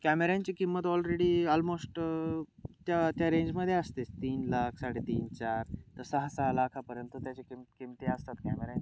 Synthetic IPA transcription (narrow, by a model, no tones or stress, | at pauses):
kæmeɾant͡ɕikimːət̪ɔlɾeɽiɔlmosʈ | t̪jat̪jaɾẽɲd͡ʑməd̪ʱːjeəst̪et̪iːnlakʰsaɽet̪iːnt͡ɕaɾt̪əɾsəɦasəɦalakʰapəɾənt̪ut̪jat͡ɕekimkimt̪iəst̪at̪kæmeɾan